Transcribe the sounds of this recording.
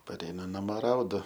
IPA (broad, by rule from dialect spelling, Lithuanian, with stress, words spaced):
pɐˈrʲɛɪnʊ nɐˈmoː ˈrɐʊdʊ